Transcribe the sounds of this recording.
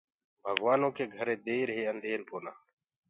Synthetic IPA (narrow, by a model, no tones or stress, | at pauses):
bʱəɡʋaːnõːkeːɡʱəɾeːd̪eːɾɦeːənd̪ʱeːɾpoːnaː